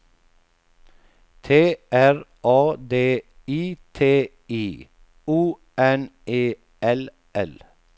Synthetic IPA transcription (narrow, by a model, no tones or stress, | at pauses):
t̪ʰeːʔæɹʔɑːd̪eːiːt̪ʰeː | iː | uː | ʔɛneː | ʔɛl | ʔɛl